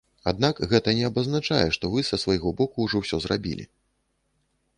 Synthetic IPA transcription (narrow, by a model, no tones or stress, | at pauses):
ad̪nakɣɛt̪ɐnʲɛɐbɐznat͡ʂajɛʂt̪ɔvɨsɐsvajɣɔbɔkuːʐɔwsʲɔzra̰bʲḭlʲḭ